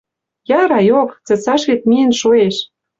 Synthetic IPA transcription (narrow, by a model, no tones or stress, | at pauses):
jɑɾɑjokt͡sɤ̆t͡sɑʃβet̪̚miə̆nʃoeʃ